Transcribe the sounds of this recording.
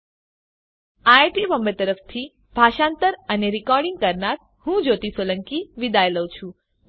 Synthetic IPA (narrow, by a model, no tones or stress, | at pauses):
ajʈibəmbəɾt̪əɾəft̪ʰi | bʱaʃãnt̪əɾəneɾikɔɾɖiŋɡ̚kəɾnaɾ | hũd͡ʒot̪isolə̃ŋkiʋid̪ajləwt͡ʃʰũ